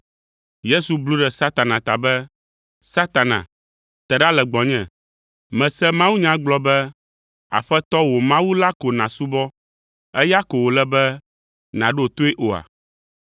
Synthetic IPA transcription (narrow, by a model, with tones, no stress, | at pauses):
je˦su˨blu˦ɖɛ˨sa˦t̪a˨nã˨t̪a˨bɛ˦ | sa˦t̪a˨nã̰˨ | t̪ɛ˨ɖa˦lɛ˨ɡ͡bɔ̃˨ɲɛ̃˨ | mɛ̃˨sɛ˦mã˦wu˦ɲã˦ɡ͡blɔ˦bɛ˦ | a̰˨ɸɛ˦t̪ɔ˦wo˨mã˦wu˦la˦ko˨nã˨su˦bɔ˦ | ɛ˦ja˦ko˨wo˨lɛ˦bɛ˦ | nã˨ɖo˦o˨t̪o˦e˦ʔo˨a̰˨